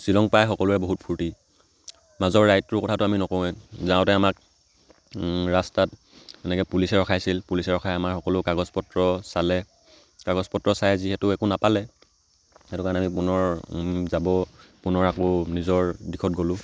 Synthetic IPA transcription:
silɔŋpajxɔkɔlʊɛboɦut̚pʰuɹti | mazɔɹːajtɹʊkɔtʰatʊaminɔkɔwɛzãʊ̃tɛamak̚ | ɹastat | ɛnɛkɛpulisɛɹɔkʰajsilpulisɛɹɔkʰajamaɹxɔkɔlʊkaɡɔzpɔtɹɔsalɛ | kaɡɔzpɔtɹɔsajziɦɛtʊɛkʊnapalɛ | ɛtʊkaɹanamipunɔɹzabɔpunɔɹakɔnizɔɹdikʰɔt̚ɡolʊ̃

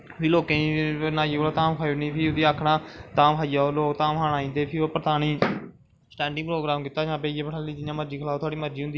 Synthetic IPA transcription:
pʰiːloːkẽːnaːjːoːɽaːt̪ãːmkʰaːioniːpʰiːod̪iːaːkʰɽaːt̪ãːmɦʰaːijaːoloːkt̪ãːmɦaːɽ̃aːĩːnd̪eːpʰiːoːpəɾt̪aːñiː | sʈɛ̃ːɳɖɪ̃ŋpɾoːɡɾãːmkɪːt̪ːaːd͡ʒãːbeːjeːpəʈʰaːliːd͡ʒɪjãːməɾd͡ʒiːkʰəlaːoːt̪ʊwaːɽiːməɾd͡ʒiːɦʊ̃nd̪iː

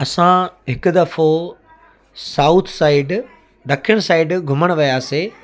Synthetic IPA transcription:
ɐsãɦɪkʊ̆d̪ɐfo | saːʊt̪ʰsaːɪɖ | ɾɐkʰjəɽ̃saːɪɖɡʱʊməɽ̃ʋijaːseː

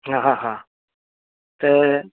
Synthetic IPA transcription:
ɦaɦãɦã | t̪e

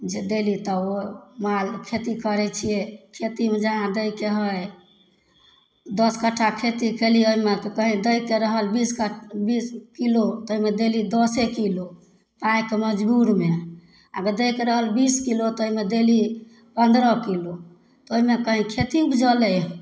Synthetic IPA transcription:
d͡ʒed̪elit̪ɔomalkʰet̪ikəɾɛt͡ʃʰijekʰet̪imed͡ʒəɦãd̪əjkeɦəj | d̪əskəʈʰːakʰet̪ikelioɦimetɔkəɦĩd̪əjkeɾəɦəlbiskəbiskilot̪ɔoɦimed̪elid̪ɔsekilo | pãjkeməd͡ʒbuɾme | ə̰ɡəɾd̪ejkeɾəɦəlbiskilot̪oɦimed̪eli | pənd̪ɾəkilo | t̪oɦimekəɦĩkʰet̪iupd͡ʒəlɛ

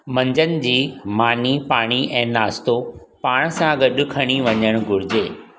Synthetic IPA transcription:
mɐ̃ɲd͡ʑənɪ̆d͡ʑiːmaːnipaːɽ̃iʔɛ̃ːnaːst̪opaːɽ̃sãɡɐɗʊ̆kʰɐɽ̃iʋɐɲəɽ̃̆ɡʊɾɪd͡ʑeː

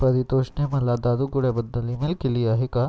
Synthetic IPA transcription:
pɐɾit̪oʂɳemɐlad̪ad̪uɡuɽebɐd̪ːɐlːimilkiliaɦika

